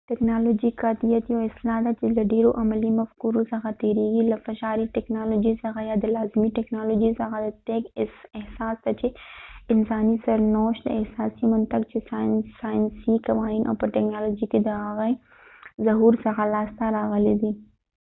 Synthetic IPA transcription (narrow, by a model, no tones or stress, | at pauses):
ʈɛːknaːloːd͡ʒikad̪ijət̪joːɪslaːt̪ɐt͡ʃelɐɖiːɾoʔɐmɐlimɐfkuːɾosɐɣat̪iːɾiɡilɐfɐʃaːɾiʈɛːknaːloːd͡ʒizɐɣajaːd̪ɐlaːzmiʈɛknaːloːd͡ʒizɐɣad̪ɐt̪eːkɪsɪhsaːst̪ɐt͡ʃeɪnsaːnisɐɾnɔːʃt̪ɛɦsaːsimɐnt̪ɐkt͡ʃesaːɪnsaːjɪnsikɐʋaːiːnʔɔ̰ːpɐʈɛknaːloːd͡ʒiked̪ɐaːɣe | zɐɦuːɾsɐɣalaːst̪aɾaːɣɐled̪iː